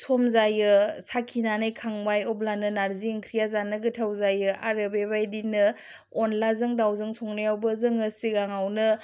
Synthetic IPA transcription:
sʰomzajɯsakʰinanɯjkʰaŋbajɔblanɯnaɾziŋkʰɾijazanɯɡɯtʰawzajɯa̰ɾɯbebajdinɯ | ɔnlazɯŋdawzɯŋsoŋnɯjawbɐzɯŋɯsiɡaŋawnɯ

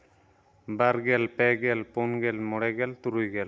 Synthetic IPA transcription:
baɾɡɛlpɛɡɛlpɔnɡɛlmɔɽɛɡɛlt̪uɾujɡɛl

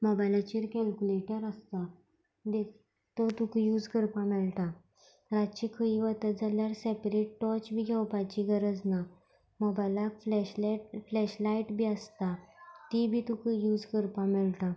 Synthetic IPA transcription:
mɔbajlat͡ɕiɾkɛlkuleʈəɾəst̪a | d̪ek | t̪ɔt̪ukjud͡zkəɾpãmɛɭt̪a | ɾat͡ɕikʰəiʋət̪əd͡zaljaɾsepɾeʈʈɔt͡ɕbʱiːɡʱɛwpat͡ɕiɡəɾəd͡zna | mɔbajlakflɛɕleʈflɛɕlaiʈbʱiəst̪at̪ibʱit̪ukəjud͡zkəɾpamɛɭt̪a

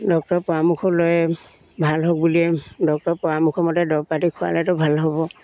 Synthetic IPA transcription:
dɔk̚tɔɹpɔɹamukʰɔlɔjɛ | bʱalɦok̚buliɛdɔk̚tɔɹpɔwamukʰɔmɔtɛdɔpatikʰʊwa̰lɛtɔbʱalɦɔbɔ

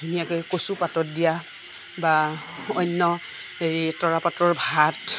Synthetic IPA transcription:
unijakɛjkosupatɔt̚dija | baɔjnːɔ | eɹitɔɹapatɹɔɹbʱat

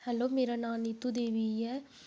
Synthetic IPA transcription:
hɛloːmeːɾanaːnɪt̪ːud̪eːʋiɛː

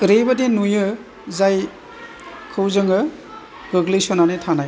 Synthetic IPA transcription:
ɾebɐdenujɯ | zaj | kʰɯwzɯŋɯ | ɡɯɡlɯsɔnanetʰanaj

